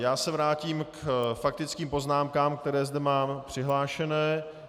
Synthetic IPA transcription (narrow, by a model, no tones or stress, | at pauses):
jaːsɛvɾaːciːmkfak̚t̪ɪt͡skiːmpo̞znaːmkaːmk̚t̪ɛɾɛːzdɛmaːmpr̝̥ɪɦlaːʃɛnɛː